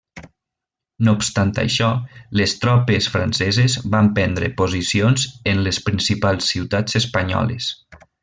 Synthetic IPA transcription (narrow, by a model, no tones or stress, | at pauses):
nopst̪ant̪a̰ʃɔlest̪ɾɔpesfɾa̰nsɛzezβampɛnd̪ɾḛpozisionzenlespɾinsipalˠsːiwt̪ad͡zespaɲɔ̰lḛs